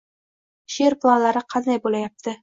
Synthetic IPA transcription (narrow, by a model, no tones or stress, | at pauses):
ʃeɾplˠɑlˠɑɾɤqʰɑnd̪ɑjbulʲˠɑjɑp̚t̪ʰɤ